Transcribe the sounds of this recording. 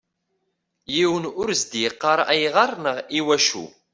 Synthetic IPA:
jiwənʊɾzd̪jəqːɑɾˤæjʁɑɾˤnəʁiwæʃṵ

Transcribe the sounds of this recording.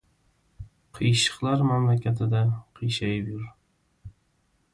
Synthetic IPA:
qʰɨjʃɪ̥qlˠaɾmamlakʲʰat̪ʰɪd̪aqʰɨjʃajɪpjʊɾ

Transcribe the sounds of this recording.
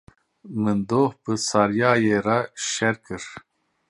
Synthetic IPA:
mɨnd̪oːhbɨsɑɾjaːjeɾaʃɛɾkʰɨɾ

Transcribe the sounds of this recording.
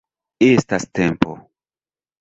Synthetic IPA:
estastempo̰

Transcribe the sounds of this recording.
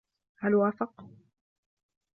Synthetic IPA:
halwaːfɑq

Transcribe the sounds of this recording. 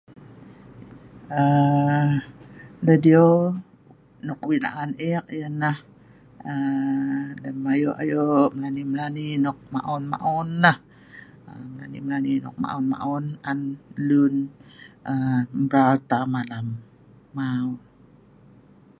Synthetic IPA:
ə | lədio | nɔk̚wina̰ʔanɛk̚jənah | ə | ləmajoʔa̰joʔməlaniməlaninɔk̚ma̰ʔɔnma̰ʔɔnːah | əməla̰nḭməlaninɔ̰k̚ma̰ʔɔnma̰ʔɔnanlunʔəmbɾalt̪amalamː | aɔn

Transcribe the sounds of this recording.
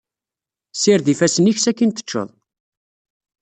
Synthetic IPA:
siɾðifæsəniçsækːint̪ə̥t͡ʃːə̰ðˤ

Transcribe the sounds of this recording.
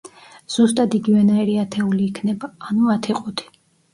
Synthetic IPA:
z̥ust̪ʼad̪iɡivɛnaɛɾiat̪ʰɛuliːkʰnɛbaːnuat̪ʰiqʼut̪ʰi̥

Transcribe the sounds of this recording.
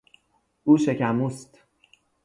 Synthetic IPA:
uːʃe̞cʰæmuːst̪

